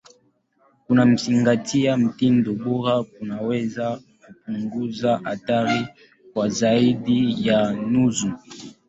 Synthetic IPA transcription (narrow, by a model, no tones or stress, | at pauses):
kunam̩siŋɡatʰijam̩tindobuʁak̚unaweza | kup̚uŋɡuzaʔataʁi | kwazaidijanuzu